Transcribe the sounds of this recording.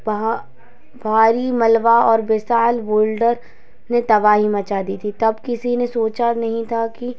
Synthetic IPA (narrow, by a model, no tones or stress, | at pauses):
b | bʱaːɾimɐlʋaɔːɾbɪsaːlboːlɖəɾ | net̪ɐbaːɦimɐt͡ʃad̪it̪ʰit̪ɐbkɪsinesoːt͡ʃanɐɦĩt̪ʰaki